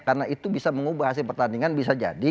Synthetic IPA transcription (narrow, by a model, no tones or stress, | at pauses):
karənaʔit̪ubisaməŋubahas̬ɪlpərt̪andiŋanbis̬ad͡ʒa̰di